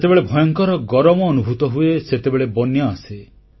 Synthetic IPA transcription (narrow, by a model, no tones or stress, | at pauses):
et̪ebeɭebʱɔjɔŋkɔɾɔɡɔɾɔmɔːnubʱut̪ɔɦueset̪ebeɭebɔnjɔase